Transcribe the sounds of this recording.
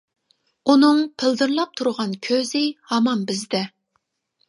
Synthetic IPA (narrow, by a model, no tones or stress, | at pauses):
unɨŋpʰɪld̪ɨɾlˠɑp̚t̪ʰuɾʁɑnkʲʰøzɪhɑmɑmbɪzd̪ɛ